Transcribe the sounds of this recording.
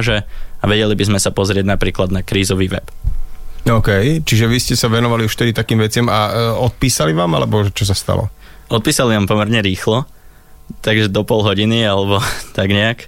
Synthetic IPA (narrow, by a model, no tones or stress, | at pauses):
ʒɛaʋɛɟɛlibizmɛsapɔzɾɪɛɟnapɾiːklad̪nakɾiːzɔʋiːʋɛ̰p | ɔʊkɛjt͡ʃiʒɛʋiscɛsaʋɛnɔʋaliuʃft̪ɛd̪it̪akiːmʋɛt͡sɪamaɔt̪̚piːsaliʋaːma̰lɛbɔʒɛt͡ʃɔs̬ast̪a̰lɔ̰ | ɔt̪̚piːsaliʋaːmpɔmɛɾɲɛɾiːxlɔ | t̪aɡʒɛd̪ɔpɔlɦɔɟinialɛbɔt̪aɡɲɛak